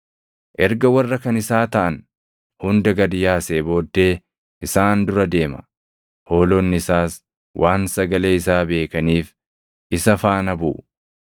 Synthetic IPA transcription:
ʔɛɾɡɐwɐrːɐkɐnɪsaːt̪ɐʔɐn | hʊnd̪ɐɡɐd̪ɪjaːseːbo̞ːd̪ːe̞ː | ʔɪsaːnd̪ʊɾɐd̪e̞ːmɐ̥̰ | ho̞ːlɔːnːɪɪsaːs | wʔaːnsɐɡɐle̞ːɪsaːbe̞ːkɐniːf | ʔɪsɐfaːnɐbṵː

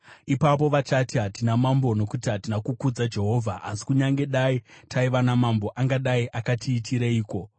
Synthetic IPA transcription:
ipap̬o̞ʋat͡ʃatiɦatinamambo̞no̞kutiɦatinakukud͡zad͡ʒe̞ɦo̞ːvʱaʔasi̥kuɲaŋɡe̞ɗaitʰaiʋanamambo̞ʔaŋɡaɗaiʔakatʰiːtʰiɾeiːko̞

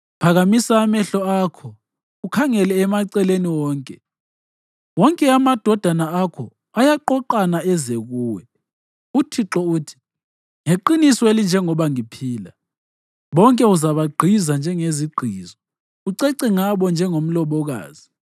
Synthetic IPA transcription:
pʰaɣamisaːmɛɬɔakʰɔ | ukʰaŋɛlɛːmaǀɛleniwɔːŋkʼɛ | wɔŋkʼɛamad̥ʱɔd̥ʱanaakʰɔ | ajaǃɔǃanaɛzeɣuːwɛ | utʰiǁɔuːtʰi̥ | ŋeǃinisɔelind͡ʒʱɛŋɔβaŋipʰiːla | βɔŋkʼɛuzaβaɡ͡ǃʱizand͡ʒʱɛŋeziɡ͡ǃʱiːzɔ | uǀɛǀɛŋaβɔnd͡ʒʱɛŋom̩lɔβɔɣa̰ːzi

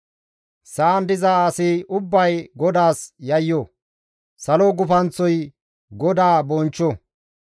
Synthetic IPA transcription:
sɐʔɐnd̪ɪzaaːsɪʊbːɐjɡɔd̪aːsjɐjːɔ | sɐlɔɡʊfɐnt͡sːɔj | ɡɔd̪aːbɔnt͡ʃːɔ

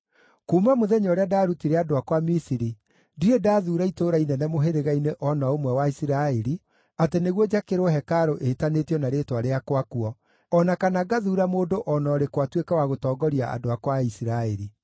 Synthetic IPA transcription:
kuːmamoðɛɲɔːɾeadaɾutiɾeadoakwamisiɾi | diɾedaːðuːɾaitoɾainɛnɛmoɦeɾeɣaineʔɔnaomwɛwaisiɾaɛɾi | ateneɣwɔd͡ʑakeɾoɦɛkaɾoʔetanetjɔnaɾetwaɾeakwakuɔ | ɔnakanaɡaðuːɾamoːdoʔɔnɔːɾekwatwekawaɣotɔːɡɔɾiaʔa̰doakwaisiɾaɛɾi

